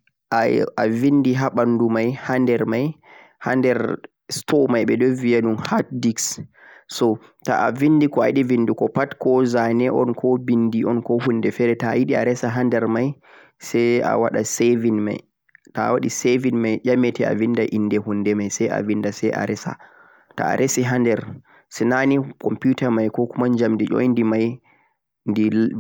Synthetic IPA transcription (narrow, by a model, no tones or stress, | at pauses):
ʔaavindiɦaɓandumajhandɛɾmaj | ha̰ndɛɾ | stɔmajɓɛdɔvijanunhat̚diks | sɔ | ta̰ʔavinːdikɔajiɗivindikɔpatkɔzanɛʔɔnkʰɔbindiɔnkɔhunːdɛfɛɾɛtajiɗia̰ɾɛsaɦandɛɾmaj | sɛja̰waɗasevinma̰j | tawaɗisevinmajʄamɛtɛa̰vindaʔinːdɛhunːdɛmajsɛja̰vindasɛjʔa̰ɾɛsa̰ | ta̰a̰ɾʔesiɦandɛɾ | sɛnanikɔmputamajkɔkumaɲd͡ʒamdiɗɔ̰jndimaj | ndi